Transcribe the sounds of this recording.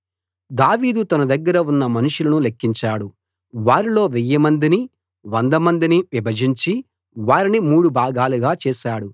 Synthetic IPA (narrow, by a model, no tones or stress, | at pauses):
d̪aːʋiːd̪ut̪ɐnɐd̪ɐɡːɐɾɐunːɐmɐnuʂulɐnulekːiɲt͡ʃaːɽu | ʋaːɾilo̞ːʋɛjːɐmɐnd̪ini | ʋɐnd̪ɐmɐnd̪iniʋibʱɐd͡ʒiɲt͡ʃi | ʋaːɾinimuːɽubʱaːɡaːluɡaːt͡ʃɛːʃaːɽu